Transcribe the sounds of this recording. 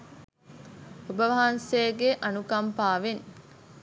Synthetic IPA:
obəʋɐɦɐnseːɡeʔɐnukɐmpaːʋen

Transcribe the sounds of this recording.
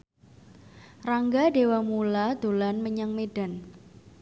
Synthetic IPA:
raŋɡaɖewamulad̪̥olanməɲaŋmeɖ̥a̤n

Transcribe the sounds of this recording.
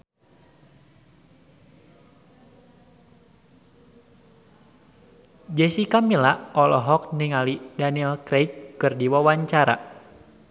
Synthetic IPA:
d͡ʒɛsikamilaɔlɔɦɔk̚niŋalidanilkɾet͡ʃkɨrdiwawaɲt͡ʃaɾa̰

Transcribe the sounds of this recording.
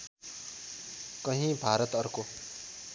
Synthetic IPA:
kʌɦĩbʱaɾʌt̪ʌɾko

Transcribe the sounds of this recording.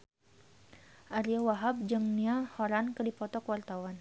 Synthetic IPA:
ʔaɾiawaɦab̚d͡ʒəŋniahoɾankədipɔt̪ɔkwart̪awan

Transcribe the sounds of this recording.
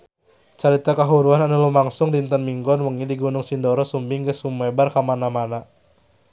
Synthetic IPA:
t͡ʃaɾit̪akaɦuɾuananulumaŋsʊŋdint̪ənmiŋɡɔnwəŋidiɡunʊŋsindɔɾɔsumbɪŋɡəsumɛbarkamanamana

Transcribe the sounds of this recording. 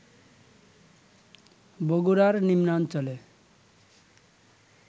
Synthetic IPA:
boɡuɾaɾnimnant͡ɕole

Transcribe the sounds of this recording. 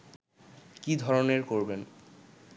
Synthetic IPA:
kid̪ʱɔɾoneɾkoɾben

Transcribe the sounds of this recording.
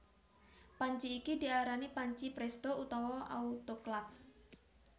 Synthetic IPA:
paɲt͡ʃiːkid̪iaɾanipaɲt͡ʃipɾɛst̪out̪ɔwɔʔa̰ut̪oklap̚

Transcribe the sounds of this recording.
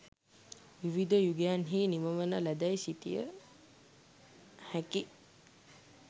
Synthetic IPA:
ʋiʋid̪əjuɡejanɦiːniməmənəlæd̪ajsit̪ḭjə̰ | hæki

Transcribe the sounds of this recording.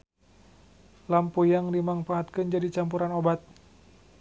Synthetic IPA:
lampujaŋdimaŋpaːt̪̚kɨnd͡ʒadit͡ʃampuɾanobat̪̚

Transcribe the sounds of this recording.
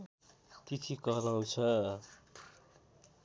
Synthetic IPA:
t̪it̪ʰikʌɾaw̃t͡sʰʌ

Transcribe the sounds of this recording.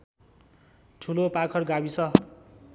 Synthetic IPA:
ʈʰulopakʰʌrɡabisʌ

